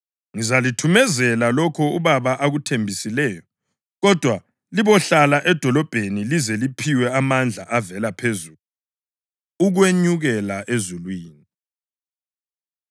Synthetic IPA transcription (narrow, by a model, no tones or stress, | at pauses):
ŋizalitʰumɛzɛlalɔkʰɔuβaβaʔaɣutʰembʱisilɛːjɔ | ɣɔd̥ʱwa | liβɔɬalaʔɛd̥ʱɔlɔb̥ʱenilizɛlipʰiwɛamand͡ɮʱa̰ʔavɛlapʰezuːlu | uɣweɲuɣɛlaʔezulwiːni